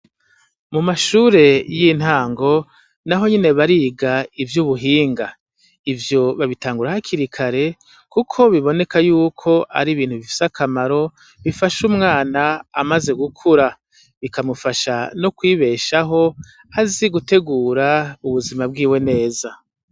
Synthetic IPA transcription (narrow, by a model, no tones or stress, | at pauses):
mumaʃuːɾe̞jin̥haːŋɡo̞ | naɦo̞ɲine̞βaɾiɡaivjuβuɦiːŋɡa | ivjo̞βaβitaːŋɡuɾahaciɾikʰaɾe̞ | kukʰo̞βiβo̞ne̞kajuːkʰo̞ʔa̰ɾiβiːnhuβifi̥sakʰamaɾo̞ | βifaʃumŋaːnaamaze̞ɡukʰuɾa | βikamufaʃanokwiːβe̞ːʃaɦo̞ | aziɡute̞ɡuːɾauβuzimab̚ɡiːwe̞ne̞ːza